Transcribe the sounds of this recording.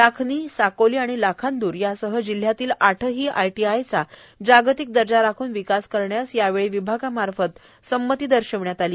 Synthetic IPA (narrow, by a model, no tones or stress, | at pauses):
lakʰniːsakoliːaɽ̃ilakʰand̪uːɾjasəɦəd͡ʑil̤jat̪iːlaʈʰəɦiːʔajʈiajt͡sa | d͡ʑaɡt̪ik̚d̪əɾd͡ʑaɾakʰuːnʋikaskəɾɳjasjaʋeɭiʋibʱaɡamaɾfət̪ | səmːət̪iːd̪əɾɕəʋɳjat̪aliː